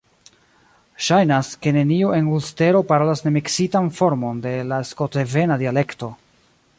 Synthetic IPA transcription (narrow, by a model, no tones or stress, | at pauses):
ʃajnaske̞ne̞nioʔe̞nulste̞ɾo̞paɾolasne̞miksitanfo̞ɾmo̞nde̞laeskoteve̞nadiale̞kto̞